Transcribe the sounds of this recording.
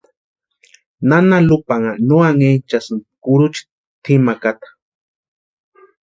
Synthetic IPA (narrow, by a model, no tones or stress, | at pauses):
nanalupaŋanuaŋet͡ʃasɨnkuɾut͡ʃi̥ | t̪ʰimakat̪ḁ